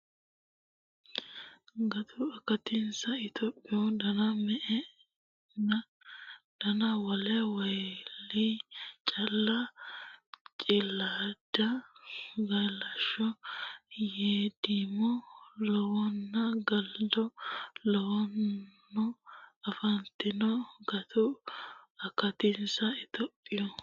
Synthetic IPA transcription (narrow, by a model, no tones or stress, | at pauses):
ɡɐt̪ʊɐkɐt̪ɪnsɐɪt̪ɔpʼːɪɔd̪ɐnɐmɛʔɛ | nɐ | d̪̥ɐnɐwɐlɛwɐjlːit͡ʃʼɐlːɐ | t͡ʃʼɪlːaːd̪̥ɐ | ɡɐjlɐʃɔ | jeːd̪imɔlɔwɔnːɐɡɐld̪ɔlɔwɔnː | ɔɐfɐnt̪ːɪnɔɡɐt̪ʊ | ɐkɐt̪ɪnsɐɪt̪ɔpʼːɪjɔ